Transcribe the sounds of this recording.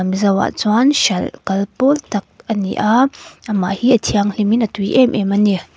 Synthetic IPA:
mizɐwa̰ʔt͡swanʃɐlkɐlpɔlt̪ɐk̚ʔɐnḭʔaɐmaʔhiʔɐtʰiaŋliminɐtujʔɛmʔɛmɐni

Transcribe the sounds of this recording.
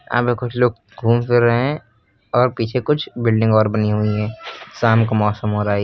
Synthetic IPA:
a̰ːpekʊt͡ʃʰloːɡ̚ | ɡʱuːmpʰɪɾːəɦeɦɛ̃ | ɔːɾpiːt͡ʃʰekʊt͡ʃʰbɪlɖɪ̃ŋɡɔːɾbɐniɦuiɦɛ̃ːsaːmkamɔːsəmɦoːɾaːɦɛ

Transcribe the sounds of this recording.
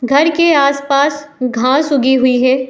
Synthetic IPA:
ɡʱɐɾkeaːspaːsɡʱãːsʊɡiɦʊiɦɛː

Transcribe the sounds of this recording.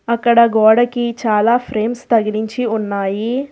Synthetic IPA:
ɐkːɐɽɐɡɔːɽɐkit͡ʃaːlaːpʰɾeːmst̪ɐɡɐɾiɲt͡ʃiunːaːji

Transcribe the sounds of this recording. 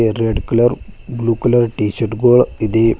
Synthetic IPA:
reɖkulɐrbluːkulɐrʈiːɕɐrʈɡoːɭiðe

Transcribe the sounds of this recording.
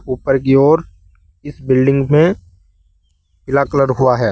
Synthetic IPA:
uːpəɾk̬iɔːɾ | ɪsbɪlɖɪ̃ŋɡmẽ | bɪlaːkləɽɦʊaɦɛː

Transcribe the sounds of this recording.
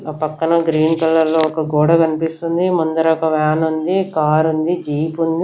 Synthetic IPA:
pɐkːɐnɐɡɾiːnkɐlːɐɾlːo̞ːɔkɐɡɔːɽɐkɐnipist̪und̪imɐnd̪ɐɾɐkɐʋaːnund̪ikaːɾund̪id͡ʒiːpund̪i

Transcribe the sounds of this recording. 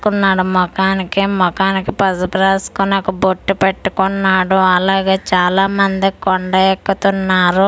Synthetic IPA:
kunːaːɽumɔkaːnikimɔkaːnikipɐsɐpɾaːsu̥kuneɔkːɐboʈːupeʈːukunːaːɽuɐlaːɡeːt͡ʃaːlaːmɐnd̪ikɔɳɖɐɛkːut̪unːaːɾu

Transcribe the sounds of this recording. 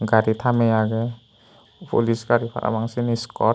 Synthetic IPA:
ɡaɾit̪ʰamɛaɡɛ | pʰṵlisɡaɾipʰa̰ɾa̰maŋsiniskɔ

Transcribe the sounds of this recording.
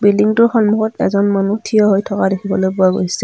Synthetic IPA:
biliŋtʊxɔnmuxɔtɛ̰zɔnmanutʰijɔɦojtʰɔkadekʰibɔlojpʊaɡojsɛ

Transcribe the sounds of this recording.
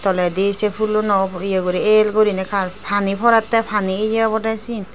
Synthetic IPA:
t̪ɔlɛd̪esɛpʰulonɔijɔɡoɾielɡoɾinɛkʰaɾpʰanipʰɔɾat̪ːɛpʰanied͡ʒɛabɔdasin

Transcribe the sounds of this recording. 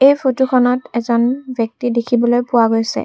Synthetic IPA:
ejpʰotuxʰɔnɔtɛzɔnbʱjɔk̚tidekʰibɔlojpʊwaɡojsɛ̰

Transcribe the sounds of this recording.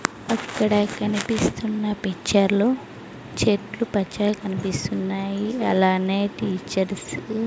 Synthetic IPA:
ɐkːɐɽɐkɐnipist̪unːɐpit͡ʃːɐɾlo | t͡ʃeːʈlupɐt͡ʃːɐkɐnipist̪unːaːjiɐlaːneːʈiːt͡ʃɐɾs

